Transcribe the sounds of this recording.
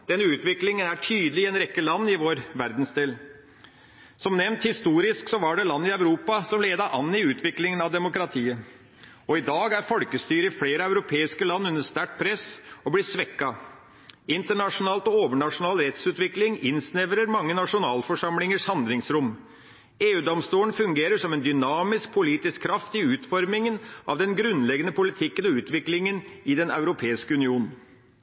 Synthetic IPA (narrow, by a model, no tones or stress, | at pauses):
d̪̥ɛnːəʉːt̪ʋɪklɪŋənæʈʰyːd̪əlɪɛnɾɛkːəlɑnːɪʋoːɾʋæɾd̪n̩sd̪eːl | sɔmnɛʋnt̪hɪst̪uːɾɪsksɔʋɑɖɛlɑnːəɪœʉɾuːpɑsɔmleːd̪əʔɑnːɪʉːt̪ʰʋɪklɪŋənɑʋd̪ɛmʊkɾɑt̪ʰiːə | ɔɪd̪ɑːɡæɾfɔlkəst̪yːɾəɪfleːɾəœʉɾʊpʰeːɪskəlɑnːʉnːəst̪æʈ̚pʰɾɛsɔblɪsʋɛkːɑ | ɪnt̪əɳɑʂʊnɑːlt̪ɔoːʋəɳɑʂʊnɑːlɾɛt̪sʉːt̪ʋɪklɪŋɪnsnɛʋɾəɾmɑŋːənɑʂʊnɑːlfɔʂɑmlɪŋəʂhɑnd̪lɪŋsɾʊmː | eːʉːd̪ɔmst̪uːəɳfʉŋɡeːɾəʂɔmɛnd̪ʏnɑːmɪsk̚pʰʊliːt̪ɪskʰːɾɑft̪ɪʉːt̪fɔɾmɪŋənʔɑ̰ʋd̪ɛnɡɾʉnlɛɡənəpʊlɪt̪ʰɪkːənɔʉːt̪ʋɪklɪŋənɪd̪ɛnɑ̰ʉɾʊpʰeːɪskəʉnɪuːnn̩